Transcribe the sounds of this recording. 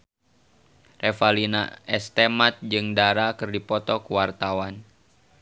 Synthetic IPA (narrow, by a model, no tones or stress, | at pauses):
refalina̰ɛst̪emat̪̚d͡ʒɨŋdaɾakɨrdipɔt̪ɔkuwart̪awan